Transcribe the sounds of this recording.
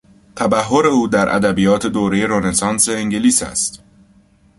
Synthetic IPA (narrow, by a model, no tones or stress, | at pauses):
t̪ʰæbæɦːo̞ɾe̞uːd̪æɾʔæ̰d̪æbijɒːt̪ʰe̞d̪oːɾe̞je̞ɾonesɒːnse̞ːŋɟeliːsæ̰st̪